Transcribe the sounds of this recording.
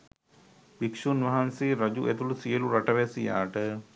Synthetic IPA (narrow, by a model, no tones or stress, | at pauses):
bikʂunʋaɦanseːɾad͡ʒuʔet̪ulusijəluɾaʈəʋɛsija̰ːʈə